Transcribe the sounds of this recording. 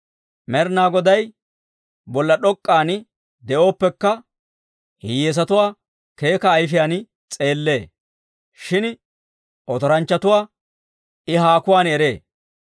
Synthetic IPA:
mɛɾnaːɡɔd̪ɐj | bɔlːɐɗɔkʼːaːn | d̪ɛʔo̞ːpːɛkːɐ | hɪjeːs̬ɐt̪ʊwaː | ke̞ːkɐːjf̬ɪjaːn | t͡sʼe̞ːlːe̞ː | ʃɪn | ʔɔt̪ɔɾɐnt͡ʃːɐt̪ʊwaː | ʔɪɦaːkʊwaːnɛɾeː

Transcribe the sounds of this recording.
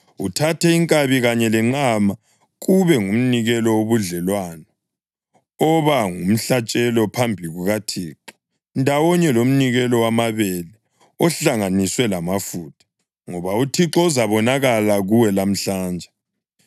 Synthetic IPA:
utʰatʰɛiŋkʼaβiɣaɲɛlɛŋ͡ǁama | ɣuβɛŋum̩niɣɛlɔoβuɮɛlwanɔ | ɔβaŋum̩ɬat͡ʃʼɛlɔpʰambʱiɣuɣatʰiːǁɔ̥ | ndʱawɔɲɛlom̩niɣɛlɔwamaβɛlɛ | ɔɬaŋaniswɛlamafuːtʰḁ | ŋɔβautʰiǁɔuzaβɔnaɣalaɣuwɛlam̩ɬaːnd͡ʒʱɛ

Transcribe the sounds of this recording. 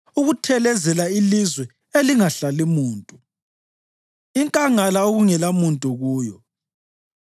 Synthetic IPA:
uɣutʰɛlɛzɛlailizwɛ | eliŋaɬalimuːntʼu | iŋkʼaŋalaoɣuŋɛlamuntʼuɣuːjɔ

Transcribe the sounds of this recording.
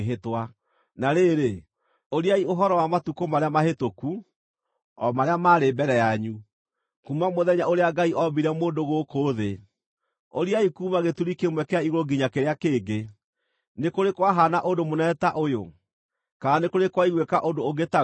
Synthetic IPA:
ɦetwa | naɾeɾe | oɾiaioɦɔɾɔwamatukomaɾeamahetoku | ɔmaɾeamaːɾebɛɾɛjaɲu | kumamoðɛɲaʔoɾeaɡaiʔɔbiɾɛmoːndoɣokoːðe | oɾiaikumaɣetuɾikemwɛkɛaiɣoɾoɡiɲakeɾeakeːɡe | nekoɾekwaɦanaʔondomonɛtaʔojo | kaanekoɾekwaiɣwekaʔondooɡeta

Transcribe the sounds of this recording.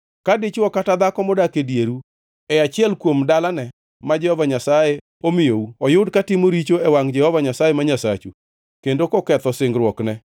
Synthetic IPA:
kadɪt͡ʃwɔkatad̪akɔmɔdakedjeɾu | ɛat͡ʃɪɛlkwomdalanɛ | mad͡ʒɛhɔvaɲasaje | omɪjouɔjʊdkatɪmoɾit͡ʃoɛwaŋd͡ʒɛhɔvaɲasajemaɲasa̰t͡ʃu | kendokɔkɛt̪ɔsɪŋɡɾwɔknɛ

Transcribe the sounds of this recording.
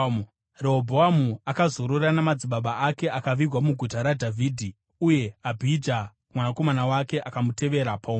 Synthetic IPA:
reɦobʱoamuakazoɾoranamad͡ziɓaɓaake̞akaʋiɡwamuɡʱutaɾadʱavʱiːdʱi | uje̞abʱid͡ʒa | mwanako̞manawake̞ʔakamutʰe̞ʋe̞ɾapam

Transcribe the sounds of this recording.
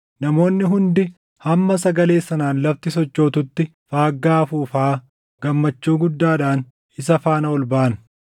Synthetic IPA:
nɐmo̞ːnːɪɦʊnd̪ɪ | hɐmːɐsɐɡɐle̞ːsːɐnaːnlɐft̪ɪsɔt͡ʃːo̞ːt̪ʊt̪ːɪ | faːɡːaːfuːfaː | ɡ̥ɐmːɐt͡ʃːuːɡʊd̪ːaːᶑaːn | ɪsɐfaːnɐɔlbaːnɐ

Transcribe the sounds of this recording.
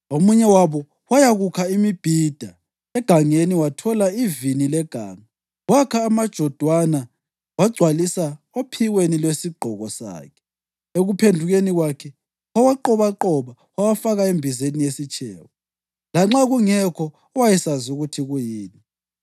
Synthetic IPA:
omuɲɛwaβɔ | wajaɣukʰaimib̥ʱid̥ʱa | ɛɡ̥ʱaŋeniwatʰɔlaivinilɛɡ̥ʱaːŋa | wakʰaːmad̥ʒ̥ʱɔd̥ʱwana | waɡ͡ǀʱwalisa | opʰiwenilwesiɡ͡ǃʱɔɣɔsa̰ːkʰɛ̥ | eɣupʰendʱuɣeniɣwakʰɛ | wawaǃɔβaǃɔβa | wawafaɣaembʱizenijesit͡ʃʼʰɛ̰ːwɔ | laŋ͡ǁaɣuŋɛkʰɔ | ɔwajɛsazuɣutʰiɣujiːni

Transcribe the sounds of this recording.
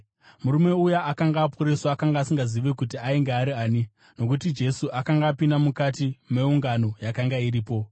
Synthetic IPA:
muɾume̞ujaakaŋɡaːpʰuɾesaakaŋɡaːsiŋɡaziʋe̞kutiaiŋɡeaɾiaːni | no̞k̬utid͡ʒe̞suʔakaŋɡaːpindamukatime̞uŋɡano̞jakaŋɡaiɾiːpo̞

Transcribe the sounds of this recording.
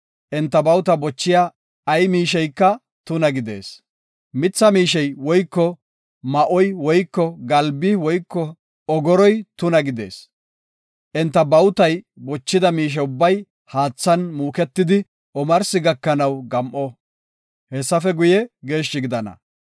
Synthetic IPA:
ʔɛnt̪ːɐbɐwt̪ɐbɔt͡ʃːɪjaː | jmiːʃɛjkːɐ | t̪ʊnɐɡɪd̪e̞̰ːs | mɪt͡sːɐmiːʃɛjwɔjkːɔ | mɐʔɔjwɔjkːɔɡɐlbɪwɔjkːɔ | ɔɡɔɾɔjt̪ʊnɐɡɪd̪e̞̰ːs | ʔɛnt̪ːɐbɐwt̪ɐj | bɔt͡ʃːɪd̪ɐmiːʃ̬ɛʊbːɐj | haːt͡sːɐnmuːkɛt̪ːɪd̪ɪ | ʔɔmɐɾsɪɡɐkːɐnɐwɡɐmʔɔ | hɛsːɐfɛɡʊjɛɡeːʃːɪɡɪd̪ɐnɐ̰

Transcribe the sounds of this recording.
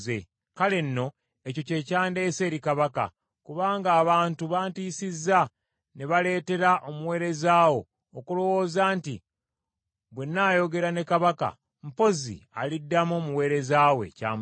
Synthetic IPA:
ze | kale̞nːo̞ | e̞co̞ce̞ːcaːnde̞ːse̞ːɾikaβaka̰ | kuβaːŋɡaːβaːntuβaːntiːsizːa | ne̞βale̞ːte̞ɾaʔomuwe̞ːɾe̞zaːwo̞ː | kulo̞wo̞ːzaːnti | βwe̞nːaːjo̞ɡe̞ɾane̞kaβaka̰ | m̩po̞zḭa̰lidːamoːmuwe̞ːɾe̞zaːwe̞̰ca̰ːm

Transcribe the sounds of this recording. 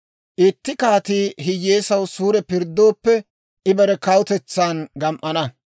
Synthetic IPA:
ʔɪt̪ːɪkaːt̪iːɦɪjeːsɐwsuːɾɛpɪɾd̪ːo̞ːpːɛ | ʔɪbɐɾɛkɐwʊt̪ɛt͡sːaːnɡɐmʔɐnɐ

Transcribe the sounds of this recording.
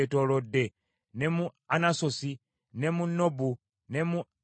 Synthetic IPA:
tolodːe | nemuanasosi | nemunobu | ne̞mu

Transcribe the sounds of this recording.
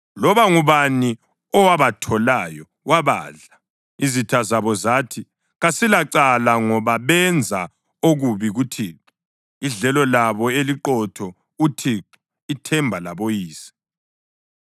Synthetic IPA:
lɔβaŋuβani | ɔwaβatʰɔlajɔ | waβa̰ːɮa | izitʰazaβɔzaːtʰi | ɣasilaǀalaŋɔβaβɛnd͡zʱa | oɣuβiɣutʰiːǁu | iɮɛlɔlaβɔeliǃɔtʰɔ | utʰiːǁi | itʰɛmbʱalaβojiːsi̥

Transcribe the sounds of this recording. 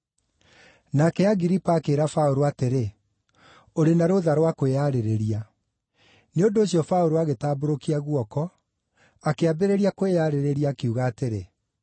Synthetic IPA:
naːkɛaɣiɾipaːkeːɾafaoɾoateɾe | oɾenaɾoðaɾwakoeaɾeɾeɾia | neondoːɕijɔfaoɾoaɣetaːboɾokiaɣwɔkɔ | akeabeɾeɾiakoeaɾeɾeɾiaːkeuɣaːteɾe

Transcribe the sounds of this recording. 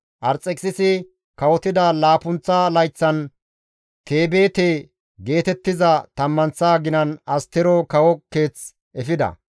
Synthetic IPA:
ʔɐɾt͡sʼɛkʼsɪsɪ | kɐwɔt̪ɪd̪ɐlaːpʊnt͡sːalɐjt͡sːɐn | t̪e̞ːbe̞ːt̪eː | ɡe̞ːt̪ɛt̪ːɪzɐt̪ɐmːɐnt͡sːaːɡɪnɐnɐst̪ɛɾɔkɐwɔkːeːt͡s | ʔɛfɪd̪ɐ̰

